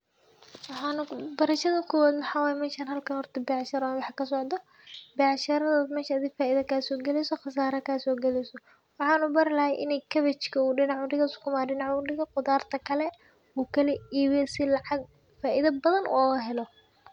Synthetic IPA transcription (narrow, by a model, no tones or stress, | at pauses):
wɑħɑːnbɐɾɐʃɐðɐkʰʊwaːd̪mʊħɑːwaːjɛmɛːʃaːnɦɐlkʰɐnhɔrt̪ʰɐbɛʕʃɐɾnwɑħkʰɐsɔʕd̪ɔ | bɛʕʃɐɾɐðɐmɛːʃɐːðɪɡfaːʔiðɐkʰɐsɔːɡɛlɛjsɔχɑs̬aːɾɐkʰɐsɔːɡɛlɛjsɔ | wɑħɑːnubɐɾɪlɐhɛjʔɪ̰nɛjkʰɐβɛt͡ʃkʰɐuːɖɪnɑʕʊɖɪɣɐskʰʊmaːɖɪnɑʕuɖɪɣɐqʊd̪aːrt̪ʰɐkʰɐlɛ | uːkʰɐlɛiːwɛsɪlɑʕɑɡ̚ | faːʔiðɐbɐðɐnʔṵɣɐɦɛlɔ